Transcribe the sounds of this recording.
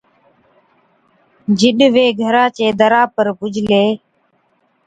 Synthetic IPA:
d͡ʒɪɗʋeːɡʱəɾãːt͡ʃeːd̪əɾaːpəɾbʊd͡ʒʱleː

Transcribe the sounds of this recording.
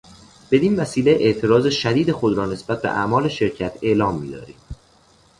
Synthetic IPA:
b̥e̞d̪iːnvæsiːleʔeʔt̪ʰeɾɒːzeʃæd̪iːd̪e̞xod̪ɾɒːne̞sb̥æt̪̚be̞̰ʔæ̰mɒːle̞ʃe̞ɾcʰæt̪ʰe̞ʔlɒːmːḭːd̪ɒ̰ːɾḭ̥ː

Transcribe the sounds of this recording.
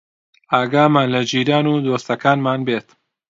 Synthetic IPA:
ʔaːɡaːmaːnlɐd͡ʒiːɾaːnuːd̪oːst̪ɐkaːnmaːnbeːt̪

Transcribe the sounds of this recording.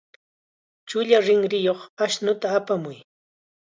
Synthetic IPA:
t͡ʃʊʎaɾɪŋɾɪjoχaʃnʊt̪aːpamʊj

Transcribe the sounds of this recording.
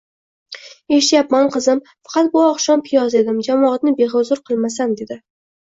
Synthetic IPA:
e̞ʃɪt̪japmanqʰɨzɪm | fḁqʰɑt̪̚bʊɒqʃɒnpʰɪjɒze̞d̪ɪmd͡ʒamɒat̪nɪbe̞ɦʊzʊɾqʰɨlˠmasand̪e̞d̪ɪ

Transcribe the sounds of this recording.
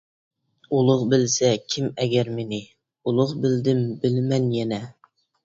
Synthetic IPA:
ulˠʊʁbɪlsɛkʲʰɪmɛɡʲɛɾmenɪ | ulˠʊqbɪld̪ɪmbɪlmɛnjɛnɛ

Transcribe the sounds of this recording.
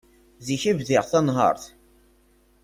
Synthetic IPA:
ziçivðɪʁθɑnɦə̰ɾˤθ

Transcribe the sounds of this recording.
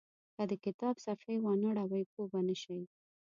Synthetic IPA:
kad̪əkɪt̪ɑbsafajwɑnaɽawajpobanəʃaj

